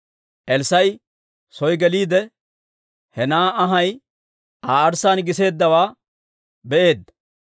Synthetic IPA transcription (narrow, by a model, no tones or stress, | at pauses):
ʔɛlsɐj | sɔjɡɛliːd̪ɛ | hɛnaːɐɦɐj | aːɐɾsaːnɡɪse̞ːd̪ːɐwaː | bɛʔeːd̪ːɐ